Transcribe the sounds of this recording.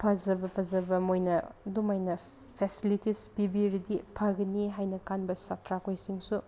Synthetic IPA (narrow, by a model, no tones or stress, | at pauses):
pʰazɐbɐpʰazɐbɐmojnɐdumajnɐ | pʰesilitisbibiɾidipʰaɡɐniɦajnɐkanbɐsatɾakojsiŋsu